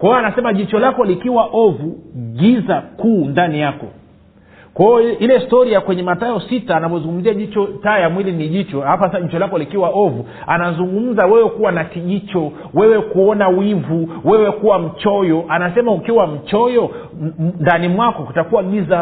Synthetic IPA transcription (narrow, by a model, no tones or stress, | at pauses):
kwaɔanasɛmaʄit͡ʃɔlakɔlikiwaʔɔvuɠizakuːndanijakɔ̰ | kwaɔilɛstɔɾiakwɛɲɛmataɔsitaːnavɔzuŋɡum̩ziaʄit͡ʃɔtaːjamwiliniʄit͡ʃɔhapasʄit͡ʃɔlakɔlikiwaʔɔvu | anazuŋɡum̩zawɛwɛkuwanakiʄit͡ʃɔ | wɛwɛkuɔnawivuwɛwɛkuwam̩t͡ʃɔjɔʔanasɛmaukiwam̩t͡ʃɔjɔ | ndanimwakɔkutakuwaɡiza